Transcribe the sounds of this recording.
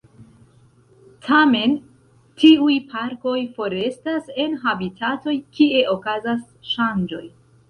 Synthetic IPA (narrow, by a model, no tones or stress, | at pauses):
tʰame̞n | tʰiujpʰaɾko̞jfo̞ɾe̞stase̞nɦabitʰato̞jkie̞ʔo̞kazas | ʃand͡ʒo̞j